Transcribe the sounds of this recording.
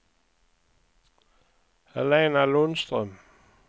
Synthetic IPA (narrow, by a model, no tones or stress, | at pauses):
ælɛnælɔnsd̥ʁœm